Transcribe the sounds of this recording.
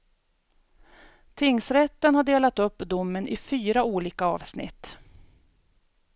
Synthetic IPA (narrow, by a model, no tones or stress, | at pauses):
t̪ʰɪŋːsɾɛt̪ːənhaɖeːlat̪ɵpːd̪ʊmːənʔɪfyːɾauːliːkaɑ̰ːvsnɪ̰t̪ː